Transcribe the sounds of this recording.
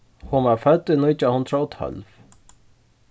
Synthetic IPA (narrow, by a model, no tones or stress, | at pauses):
hunvafœt̪ːʏnʊjt͡ʃahʊnt̪ɾaɔt̪ʰœ̰lv